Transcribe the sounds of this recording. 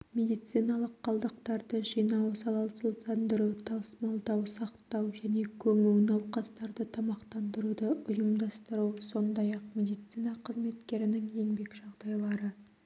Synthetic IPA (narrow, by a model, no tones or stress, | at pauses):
mʲe̞d̪ijt̪sijnɑlˠəqːʰɑlˠd̪əq̚t̪ɑɾd̪əʒijnɑwsɑlˠɑsəlˠt̪ɑnd̪əɾuwt̪ʰɑsmɑlˠd̪ɑwsɑqt̪ɑwʒæne̞kʲʰɵmɪwnɑwqɑst̪ɑɾd̪ət̪ʰɑmɑqt̪ɑnd̪əɾud̪əʔʊjəmd̪ɑst̪əɾuwso̞nd̪ɑjɑqmʲe̞d̪ijt̪sijnɑqʰəzme̞t̪kʲe̞ɾɪnɪŋje̞ŋbe̞kʒ̥ɑʁd̪ɑjlˠɑɾə